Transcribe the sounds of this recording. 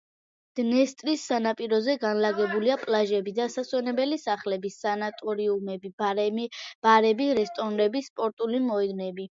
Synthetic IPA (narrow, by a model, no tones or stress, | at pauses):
d̪̥nɛst̪ʼɾisːanapʼiɾɔzɛɡanlaɡɛbuliapʼlaʒɛbid̪asaswɛnɛbɛlisaχlɛbisanat̪ʼɔɾiumɛbi | b̥aɾɛbiɾɛst̪ʼɔnɾɛbispʼɔɾt̪ʼulimɔɛd̪nɛbi